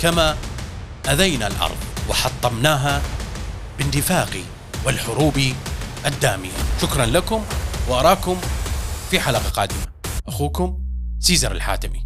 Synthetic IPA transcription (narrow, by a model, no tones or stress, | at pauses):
kama | ʔaðajnalʔɑ̰ɾˤðˤwɪħɑt̪ˤːɑmnaːɦa | b̥ɪnd̪ɪfaːqi | wɪlħʊɾuːbiʔad̪ːaːmɪjaʃʊkɾˤɑnlakʊmwɪʔɑɾˤɑːkʊmfiħalaqɑqɑːd̪ɪmaʔaxuːkʊmsiːzɑɾˤɪ̰lħa̰ːt̪ɪmi